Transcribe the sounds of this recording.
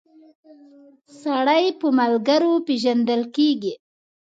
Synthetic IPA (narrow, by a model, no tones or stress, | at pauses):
saɽajpəmalɡaɾopeʒand̪əlkeɡi